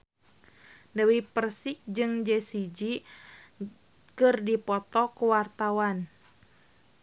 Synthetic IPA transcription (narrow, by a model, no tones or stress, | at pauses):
dəwipərsik̚d͡ʒɨŋd͡ʒɛsid͡ʒi | kɨrdipɔt̪ɔkuwart̪awan